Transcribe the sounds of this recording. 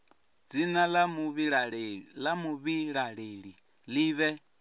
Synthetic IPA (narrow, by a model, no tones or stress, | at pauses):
d͡zinalamuβiɺɺlamuβiɺaɺeɺi | liːβɛ